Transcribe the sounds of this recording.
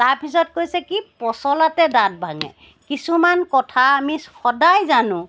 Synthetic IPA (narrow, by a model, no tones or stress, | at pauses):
taɹpʰisɔt̚kojsɛkipɔsɔlatɛdat̚bʱaŋɛ̰ | kisumankɔtʰaːmihɔdajzanʊ̃